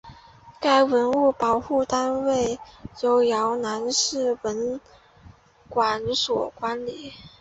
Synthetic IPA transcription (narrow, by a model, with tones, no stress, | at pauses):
ka˥˩ɪwə˧˥nu˥˩pɑ˨˩ʊxu˥˩t̪a˥nwe˥˩ɪjo˧˥ʊjɑ˧˥ʊna˧˥nʂɻ̩˥˩wə˧˥n | kwa˨˩˦nswɔ˨˩kwa˧˥nli˨˩˦